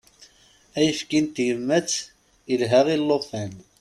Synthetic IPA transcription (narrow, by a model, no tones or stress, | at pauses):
æjəfkint̪jəmːæt͡sː | ilɦæʁilːofæn